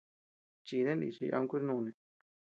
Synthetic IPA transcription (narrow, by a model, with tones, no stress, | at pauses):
t͡ʃi˧ðe˦nd̪ḭ˧˨t͡ʃḭ˧ʔa̰˧ũ˧kʷi˦ɾnũ˧nẽ˧